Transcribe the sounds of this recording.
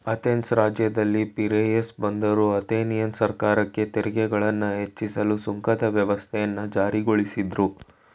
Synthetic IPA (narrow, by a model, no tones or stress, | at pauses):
ɐt̪ensɾaːd͡ʒjɐd̪ɐlːipiɾejesbɐnd̪ɐɾuɐt̪eːnijɐnsɐɾkaːɾɐkːe̞t̪eɾiɡɛɡɐɭɐnːɐɦe̞t͡ʃːisɐlusuŋkʰɐd̪ɐʋjɐʋɐst̪ʰɛjɐnːɐd͡ʒaːɾiɡoɭisid̪ɾu